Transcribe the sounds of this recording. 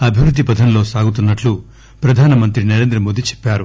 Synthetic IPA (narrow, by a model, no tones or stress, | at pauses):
ɐbʱiʋɾud̪ʱːipɐd̪ʱɐnlo̞ːsaːɡut̪̬unːɐʈlu | pɾɐd̪ʱaːnɐmɐnt̪ɾinɐɾe̞ːnd̪ɾɐmo̞ːd̪it͡ʃɛ̥pːaːɾu